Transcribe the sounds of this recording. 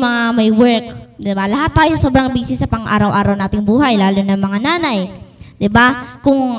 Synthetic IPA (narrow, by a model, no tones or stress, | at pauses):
mɐŋamɐjwɛɹk̚d̪ɪbalɐɦat̪ːaːjosoːbɾɐŋbiːsɪsːɐpɐŋʔa̰ːɾɐwʔa̰ːɾɐwnaːt̪ɪŋbuːɦɐjlaːlʊnɐŋmɐŋanaːnɐjd̪ɪbakʊŋ